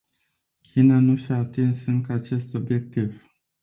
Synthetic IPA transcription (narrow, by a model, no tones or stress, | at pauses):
kʲʰinanuʃiaːt̪insɨŋkəat͡ʃe̞st̪o̞bje̞k̚t̪iv